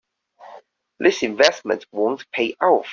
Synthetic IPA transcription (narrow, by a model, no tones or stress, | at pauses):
ðɪsɪ̃ɱvɛsmə̰̃nʔwɔ̃ŋtʰpʰeɪʔaʊtf